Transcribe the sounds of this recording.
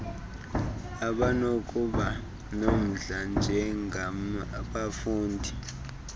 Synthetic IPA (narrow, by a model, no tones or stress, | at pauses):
aɓanokʼuɓa | nom̩ɮand͡ʒʱɛŋʱaɓafuːndʱi